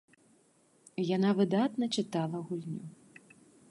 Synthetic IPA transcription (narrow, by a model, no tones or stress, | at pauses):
janavɨd̪at̪nɐt͡ʂɨt̪alˠɐɣulʲnʲu